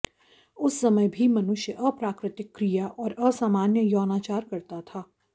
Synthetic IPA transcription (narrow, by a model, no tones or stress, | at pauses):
ʊsːɐməjbʱimɐnʊʃjəʔɐpɾaːkɾɪt̪ɪkːɾijaʔɔːɾɐsaːmaːnjəjɔːnaːt͡ʃaːɾkɐɾt̪at̪ʰaː